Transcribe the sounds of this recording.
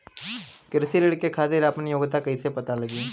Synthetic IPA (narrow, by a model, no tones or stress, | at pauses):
kɪɾsiɾɪɽkːekʰaːt̪iɾapənjoːɡt̪akɐisepɐt̪alɐɡiː